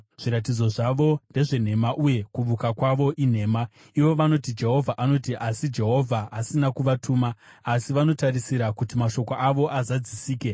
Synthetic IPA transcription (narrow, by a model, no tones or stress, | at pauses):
ʐ̥iɾat̬id͡zo̞ʐaʋo̞nde̞ʐe̞n̤e̞maʔuje̞kuʋukakwaʋo̞ʔin̤e̞ːma | iʋo̞ʋano̞tid͡ʒe̞ɦo̞vʱaʔano̞tiʔasid͡ʒe̞ɦo̞vʱaɦasinakuʋatʰuːmaː | siʋano̞taɾisiɾakutimaʃo̞koʔaʋo̞ʔazad͡zisiːke̞